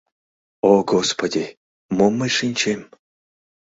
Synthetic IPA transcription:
oɡospod̪ʲi | momːəjʂɨnʲt͡ɕem

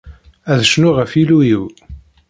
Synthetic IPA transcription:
æðəʃnʊʁəfilujiw

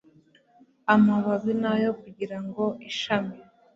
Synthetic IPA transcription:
amaβaβinajo̞kuɟiɾaŋɡo̞iʃami

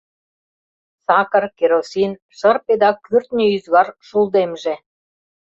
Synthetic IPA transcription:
sɑkə̆rkeɾosin | ʃərped̪ɑkyrt̪nʲəyzβɑrʃulˠd̪emʒe

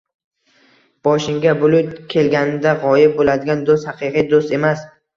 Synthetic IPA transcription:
b̥ɒʃɪŋɡʲabʊlʊt̪kʲʰe̞lɡʲanɪd̪aʁɒjɪb̚bolad̪ɪɡʲand̪ost̪hɑqʰɨqʰɨjd̪ost̪e̞mas

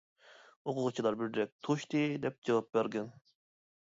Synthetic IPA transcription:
oqʰʊʁʊt͡ʃʰilˠɑɾbɪɾɾɛk̚ʲt̪ʰoʃt̪ɨd̪ɛp̚d͡ʒɑwɑp̚bæɾɡʲɛn

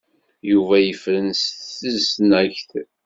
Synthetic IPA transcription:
juvæjəfɾənsθθəzsnæçθ

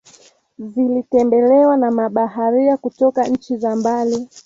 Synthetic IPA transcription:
zilitɛmbɛlɛwanamaɓaɦaɾiakutɔkaɲ̩t͡ʃizambali

